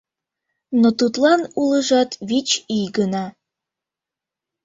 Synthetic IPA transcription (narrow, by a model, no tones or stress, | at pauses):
not̪ut̪lɑnuləʒɑt̪βit͡ɕijɡənɑ